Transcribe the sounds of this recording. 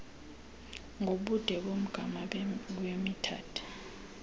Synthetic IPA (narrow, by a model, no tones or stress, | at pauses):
ŋoɓud̥ʱɛɓom̩ɡ̥ʱamawemitʰa̰ːtʰu̥